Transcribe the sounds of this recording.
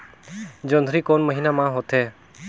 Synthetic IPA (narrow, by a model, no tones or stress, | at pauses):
d͡ʒõnd̪ʱɾiːkoːnməɦiːnamãɦot̪ɦeː